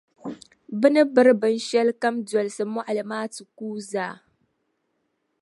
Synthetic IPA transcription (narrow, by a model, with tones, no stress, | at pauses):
bɪ˦nə˦bə˦ɾbə˨nʃɛ˦lkɐ˦md͡ʒu˨ɐ˨lsə˨mʊ˦ʔa˨lɪ˨maː˦tu˨kuː˦zaː˨